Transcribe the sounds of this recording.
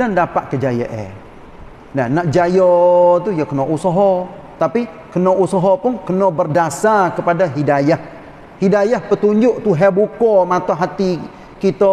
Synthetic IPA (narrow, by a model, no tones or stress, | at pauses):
dandapaʔkəd͡ʒajə̰ʔḛ | nahnaʔd͡ʒajɔt̪ujakənɔʔusɔɦɔ | t̪api | kənɔʔusaɦɔpʊnkənɔbərdasakəpadaɦidajah | hidajahpət̪uɲd͡ʒʊʔt̪uɦebukɔmat̪ɔɦat̪i | kit̪ɔ